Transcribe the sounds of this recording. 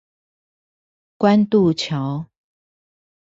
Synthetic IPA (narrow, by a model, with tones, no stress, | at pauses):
kwa˦nt̪u˥˨t͡ɕʰja˨˦ʊ